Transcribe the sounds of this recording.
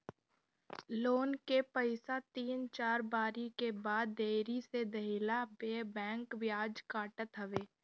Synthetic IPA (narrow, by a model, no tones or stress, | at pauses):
loːnkepəɪsat̪iːnt͡ʃaːɾbaːɾikebaːd̪ːeːɾised̪ɐɦɪlabeːbɛ̃ːŋkʋjaːd͡ʒkaːʈət̪ɦɐʋeː